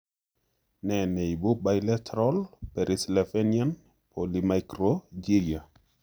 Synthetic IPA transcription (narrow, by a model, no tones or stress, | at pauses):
nɛnejbubajlɛtʰɾɔlpeɾʔislefenian | pʰolimajkɾod͡ʒiia